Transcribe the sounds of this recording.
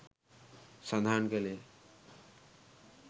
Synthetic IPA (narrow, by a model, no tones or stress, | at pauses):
sʌnd̪ʱankele